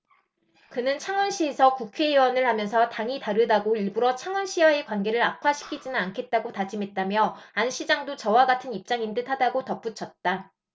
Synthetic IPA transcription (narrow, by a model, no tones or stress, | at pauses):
kɯnɯnt͡ɕʰaŋʌnɕʰie̞sʰʌkukʰe̞iwʌnɯɭhamjʌnsʰʌtaŋitaɾɯdaɡoiɭbuɾʌt͡ɕʰaŋʌnɕʰiwae̞kwanɡe̞ɾɯɾapʰaɕʰi̥kʰid͡ʑinɯnankʰe̞t̚t͈aɡotad͡ʑimɦe̞t̚t͈amjʌanɕʰid͡ʑaŋdot͡ɕʌwaɡatʰɯnip̚t͡ɕ͈aŋintɯtʰadaɡotʌp͈ut͡ɕʰʌt̚t͈a